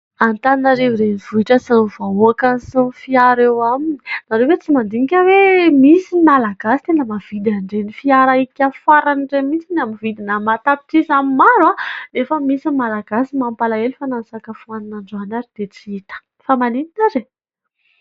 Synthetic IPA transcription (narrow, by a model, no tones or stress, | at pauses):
ant̪aninaɾeviɾenivuiʈ͡ʂəsinivauakansunfiaɾewamini̥naɾewet͡simand̪iŋikʲəwemisimalaɡasi̥t̪enəmav̥id̪aɳɖ͡ʐenifiaɾaikʲafaɾaniɳɖ͡ʐemit͡sinamivid̪inamat̪apiʈ͡ʂizamimaɾwanefəmisimalaɡasimampalaelifanansakəfuananaɳɖ͡ʐanaɾid̪̥et͡siit̪ə̥ | famanininaɾe